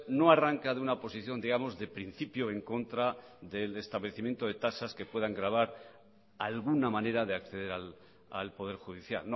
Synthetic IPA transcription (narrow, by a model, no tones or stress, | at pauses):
no̞araŋkaðeunapo̞siθjo̞nd̪iɣamo̞zðe̞pɾin̟θipjoe̞ŋko̞nt̪ɾaðe̞le̞st̪aβleθimje̞nt̪o̞ð̞e̞t̪asaske̞pwe̞ðaŋɡɾaβ̞aɾ | alɣ̞unamãne̞ɾaðeakθe̞ðe̞ɾal | a̰lpo̞ð̞e̞ɾxuðiθja̰ln